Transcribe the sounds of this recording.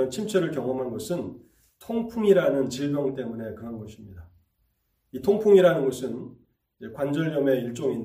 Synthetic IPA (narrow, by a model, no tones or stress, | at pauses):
ʌnt͡ɕʰimt͡ɕʰʌɾɯɭkjʌŋʌmɦanɡʌsʰɯn | tʰoŋpʰuŋiɾanɯnt͡ɕiɭbjʌŋt͈e̞mune̞kɯɦanɡʌɕʰimɲida | itʰoŋpʰuŋiɾanɯnɡʌsʰɯn | id͡ʑe̞kwand͡ʑʌɭɲʌme̞iɭt͡ɕ͈oŋin